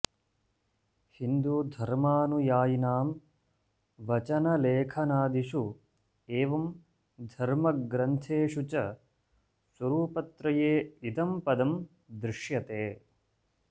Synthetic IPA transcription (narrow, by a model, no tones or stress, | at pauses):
hind̪uːd̪ʱɐɾmaːnujaːjinaːm | ʋɐt͡ʃɐnɐleːkʰɐnaːd̪iʂu | eːʋɐm | d̪ʱɐɾmɐɡɾɐnt̪ʰeːʂut͡ʃɐ | swɐɾuːpɐt̪ɾɐjeːid̪ɐmpɐd̪ɐm | d̪ɾɪʂjɐt̪eː